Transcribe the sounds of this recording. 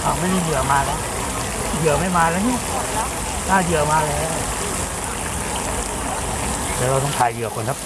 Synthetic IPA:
kʰa˨˩ma˧˥˨ma˥˩˨jɯ˨˩˦maː˧lɛː˦˥˩ | jɯ˨˩ə˦ma˥˨jmaː˧lɛː˧˦˥wni˧˥˨ | t̪ʰaː˧˩jɯ˨˩əmaː˧lɛː˧˦˥ | lɛː˧˩ɾa˧wt̪ɔ˧˥˩ŋt̪ʰaː˨˩jjɯ˨˩˦əkʰo˨˦nkʰa˦˥p̚

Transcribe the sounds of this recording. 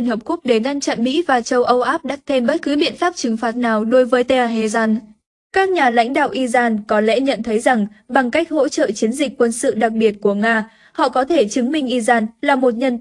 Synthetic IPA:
nhə˨˩p̚ku˦˥k͡p̚ɗe˧˩ŋa˧nt͡ɕa̰˧˨nmḭ˧˥vaː˨˩t͡ɕə˧wʔə˧wʔaː˦˥p̚ɗa˦˥k̚t̪ʰe˧mɓə˦˥t̚kɨ˨˦ɓḭ˧˨ənfaː˦˥p̚t͡ɕɨ˨˦ŋfaː˨˦˥t̚naː˨˩wɗo˨˦jvəː˨˦jt̪e˧a˧˩ɦe˧˩zaː˧n | kaː˦˥k̚ɲaː˨˩la̰˧˥jŋ̟ɗa̰ː˧˨wʔi˧zaː˧nkɔ˨˦lɛ̰˧˥ɲə̰˧˨nt̪ʰə˨˦jza˨˩ŋɓa˨˩ŋka˦˥jk̟̚ho̰˧˥t͡ɕə̰ː˧˨t͡ɕi˨˦ənzï˨˩k̟̚ʲkːwə˧nsɨ̰˧˨ɗa˨˩k̚ɓi˨˩ət̚ku˧˩əŋaː˧ | hɔ̰˧˨kɔ˨˦t̪ʰe˧˩t͡ɕɨ˨˦ŋmï˧ŋ̟ʔi˧zaː˧nlaː˨˩mo˨˩t̚ɲə˧n

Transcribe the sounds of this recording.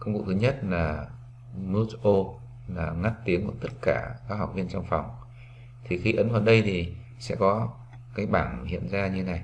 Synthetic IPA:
kə˧wŋ͡mvṵ˨˧˩t̪ʰɨ˨˦ɲə˦˥t̚laː˨˩ | mu˦˥tʔo˧ | laː˨˩ŋa˦˥t̚t̪i˨˦əŋkṵ˧˩t̪ə˦˥t̚kaː˧˩kaː˦˥k̚ha˨˩k͡p̚vi˧ənt͡ɕɔ˧wŋ͡mfɔ˨˩wŋ͡m | t̪ʰi˨˩xi˧˨˦ʔə˨˦nvaː˨˩ɗə˧jt̪ʰi˨˩ | sɛ̰˧˥kɔ˨˦ | kaː˨˦jɓaː˧˩nhḭ˧˨ənzaː˧ɲɨ˧˦na˨˩j

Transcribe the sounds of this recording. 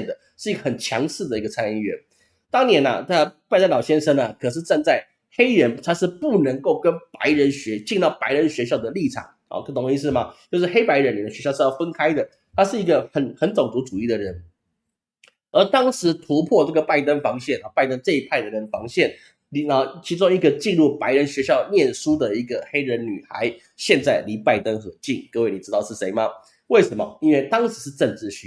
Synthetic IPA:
nd̪ə˩ʂɻ̩˥˩i˧˥ɡə˧˩xə˨˩nt͡ɕʰjɑ˧˥ŋsɹ̩˥˩d̪ə˩i˧˥ɡə˧t͡sʰa˥ni˧˥˩ɥɛ̰˧˥n | t̪ɑ˥ŋnjɛ˧˥nɐ̰˧t̪ʰa˥pa˥˩ɪt̪ə˥nlɑ˨˩ʊɕjɛ˥nʂə˥ŋɐ˨kʰɤ˨˩ʂ̬ɻ̩˥˧t͡sa˥˧nt͡sa˥˩ɪ | xe˥ɪɻə˧˥nt̪ʰa˥ʂɻ̩˥˧pu˥˩nə˧˥ŋko˥˩ʊkə˥npa˧˥ɪɻə˧˥nɕɥɛ˧˥t͡ɕi˥˧nt̪ɑ˥˩ʊpa˧˥ɪɻə˧˥nɕɥɛ˧˥ɕjɑ˥˩ʊd̪ə˩li˥˩ʈ͡ʂʰɑ̰˨˩˦ŋ | ɔ̰˧˩kɤ˥˩t̪ʰo˧˥ŋɕi˧ʂ̬ɻ̩˥˩mɐ˩t͡ɕjo˥˧ʊʂɻ̩˥˩xe˥ɪpa˧˥ɪɻə˧˥nli˨˩d̪ə˩ɕɥɛ˧˥ɕjɑ˥˧ʊʂ̩˥˧jɑ˥˩fə˥nkʰa˥ɪd̪ə˨ | t̪ʰa˥ʂɻ̩˥˩i˧˥ɡə˧xə˨˩nxə˧˥nt͡so˨˩ŋt͡su˧˥t͡su˨˩i˥˩d̪ə˩ɻə˧˥n | ə˞˧˥t̪ɑ˥ŋʂɻ̩˧˥t̪ʰu˧˥pʰwɔ˥˧t͡sɤ˥˩ɡə˩pa˥˩ɪt̪ə˥nfɑ˧˥ŋɕjɛ˥˩nɑ˨˩pa˥˩ɪt̪ə˥nt͡sɤ˥˧i˧˥pʰa˥˩ɪd̪ə˩ɻə˧˥nfɑ˧˥ŋɕjɛ˥˩n | li˨˧ə˨˩t͡ɕʰi˧˥ʈ͡ʂʊ˥ŋi˧˥ɡə˨t͡ɕi˥˧nɻu˥˩pa˧˥ɪɻə˧˥nɕɥɛ˧˥ɕjɑ˥˧ʊnjɛ˥˩nʂu˥d̪ə˨i˧˥ɡə˨xe˥ɪɻə˧˥nny˨˩xa̰˧˥ɪ | ɕjɛ˥˧nt͡sa˥˩ɪli˧˥pa˥˩ɪt̪ə˥nxɤ˧˥t͡ɕi˥˩ŋkə˥˧we˥˩ɪni˨˩ʈ͡ʂ̩˥t̪ɑ˥˧ʊʂɻ̩˥˩ʂe˧˥ɪmɐ˧ | we˥˩ɪʂə˧˥mɐ˧i˥nwe˥˩ɪt̪ɑ˥ŋʂɻ̩˧˥ʂɻ̩˥˧ʈ͡ʂə˥˧nʈ͡ʂɻ̩˥˩ɕy˧˥

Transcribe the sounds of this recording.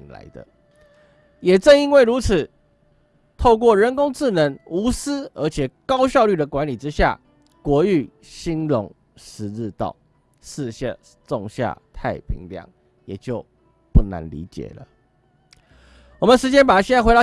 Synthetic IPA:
ŋla̰˧˦ɪd̪ə̰˧ | jɛ˨˩ʈ͡ʂə˥˧ni˦˥nwe˥˩ɪɻu˧˥t͡s̩ʰ˨˩ | t̪ʰo˥˧ʊk̬wɔ˥˩ɻə˧˦nkʊ˥ŋt͡s̩˥˩nə˧˥ŋu˧˥s̩˥ə˞˧˥t͡ɕʰjɛ˨˩kɑ˦˥ʊɕ̬jɑ˥˧ʊly˥˩d̪ə˩kwa˧˦nli˨˩ʈ͡ʂɻ̩˦ɕja̰˥˨˩ | kwɔ˧˥y˥˩ | ɕi˥nlʊ˧˥ŋ | ʂɻ̩˧˥ɻ̩˥˧t̪ɑ̰˥˨˩ʊ | ʂ̩˥˧ɕa˥˧ | t͡so˥˧ŋɕja̰˥˨t̪ʰa˥˩ɪpʰḭ˧˥ŋljɑ̰˨˩ŋ | jɛ˨˩t͡ɕjo˥˧ʊ | pu˥˩na̰˧˥nlḭ˧˥t͡ɕjɛ̰˨˩lə̰˦ | wɔ˨˩mə˨nʂɻ̩˧˥t͡ɕjɛ˥npa˨˩˨ɕjɛ˥˧na˥˩xw̪ɑ˥˧˩

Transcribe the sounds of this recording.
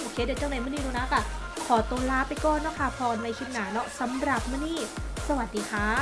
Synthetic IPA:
ʔoː˧kʰeː˧˩dɛː˧˩t͡ɕa˧˥˨na˧jmɯː˥˨niː˥˩ɾuː˧na˦˥ka˧˩ | kʰɔː˩˦t̪oː˧laː˦˥pa˧jkɔː˧˩˨nːɔ˦˥kʰa˧˥˩pʰɔː˧nma˧jkʰi˧n̚naː˩˦nɔ˦˥sa˨˩˦mɾa˨˩p̚mɯː˥˩˨niː˥˩sa˧wa˨˩t̪̚diː˨˧kʰa˦˥

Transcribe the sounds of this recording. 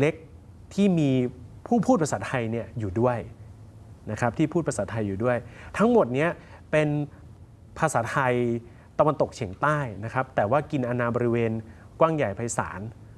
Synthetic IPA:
le˦˥k̚ | t̪ʰiː˥˩miː˧pʰuː˥˩pʰuː˥˩t̪pʰa˧sa˨˩˥t̪ʰa˧jni˥˩ɐjuː˨˩du˥˩əj | na˦˥kʰa˦˥p̚t̪ʰiː˥˩pʰuː˥˩pʰa˧sa˨˩t̪ʰːa˧jːuː˨˩du˥˩əjt̪ʰa˦˥ŋmo˨˩t̪̚ni˦˥ɐ | pe˧n | pʰaː˧saː˩˦˥t̪ʰa˧j | t̪a˧wa˧nt̪o˨˩k̚t͡ɕʰi˩˦ŋt̪aː˥˩jna˦˥kʰɾa˦˥p̚t̪ɛː˨˩waː˥˩ki˧nʔa˧naː˧bɔ˧ɾi˦˥weː˧n | kwaː˥˩ŋja˨˩jpʰa˧jsa̰ː˩˦n

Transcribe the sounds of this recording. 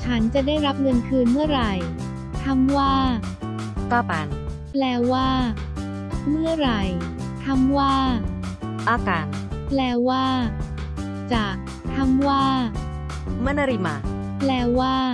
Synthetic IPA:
t͡ɕʰa˦˥nt͡ɕa˨˩daː˥˩jɾa˦˥p̚ŋɤ˧nkʰɯː˧nmɯ˥˩ɐɾa˨˩j | t̪ʰa˦˥mwaː˥˩ | k̪aː˥˩pa˧˦n | plɛː˧waː˥˩ | mɯ˥˩ɐɾa˨˩j | t̪ʰa˦˥mwaː˥˩ | ʔaː˧kaː˨˦n̚ | plɛː˧waː˥˩ | t͡ɕaː˨˩k̚ | t̪ʰa˦˥mwaː˥˩ | mɯ˥˩˨na˧ɾi˧˩ma˧˦ | plɛː˧waː˥˩

